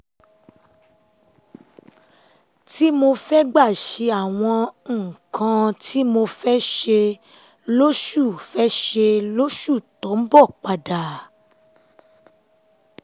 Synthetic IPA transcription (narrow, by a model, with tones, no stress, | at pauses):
ti˦mo˧fɛ˦ɡ͡ba˦˨ʃe˧a˦˨w̃ɔ̃˧˨kʰã˧tʰi˦mo˧fɛ˦ʃe˧ | lo˦ʃu˦˨fɛ˦ʃe˧lo˦ʃu˦˨tɔ˨˦m̩˦bɔ˦˨k͡pa˧da˨